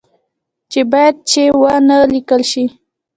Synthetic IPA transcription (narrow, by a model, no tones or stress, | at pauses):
t͡ʃebɑjad̪̚t͡ʃewanəlikəlʃi